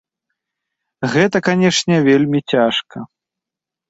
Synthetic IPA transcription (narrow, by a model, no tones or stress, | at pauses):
ɣɛt̪ɐkanʲɛʂnʲɛvʲelʲmʲit͡sʲaʂkɐ